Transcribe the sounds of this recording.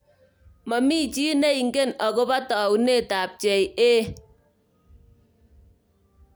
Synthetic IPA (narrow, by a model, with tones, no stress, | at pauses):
ma˨mi˦˨t͡ʃi˦ne˦i˨ŋ̩˦ke˦˨nɔ˨ko˦ba˦tɔ˨u˨ne˦˨ta˨p̚t͡ʃe˨je˦